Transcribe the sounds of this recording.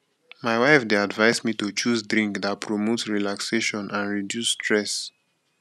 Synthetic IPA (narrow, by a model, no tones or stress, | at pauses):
maɪwaɪfdeadvaɪsmitot͡ʃuzdɹĩŋkdat̚pʰɹɔmotsɹilakseʃɔ̃nʔãnɹidjusːtʰɹɛs